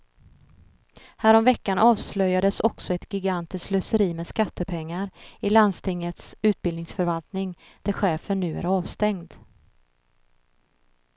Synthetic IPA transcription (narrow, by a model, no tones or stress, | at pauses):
hæːɾɔmvɛkːanʔɑːvslœjad̪əsɔksɔɛt̪ɡɪɡant̪ɪsklœsəɾiːmɛskat̪ːəpʰɛŋːaɾɪland̪st̪ʰɪŋːət̪sʉ̟ːt̪̚bɪlnɪŋsfœɾvalt̪nɪŋd̪̥æɾɧɛːfəɳːʉ̟ːæ̰ɾɑːvst̪ɛŋd̪